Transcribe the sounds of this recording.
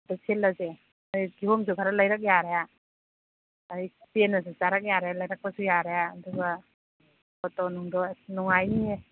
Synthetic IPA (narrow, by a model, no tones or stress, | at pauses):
dɔselːaze | ajɡiɦomsukʰaɾalajɾak̬̚jaɾaja | jpenasuzaɾak̚jaɾajalajɾak̚pasujaɾajaːduɡa | ɔtɔnuŋdɔnɔŋajnie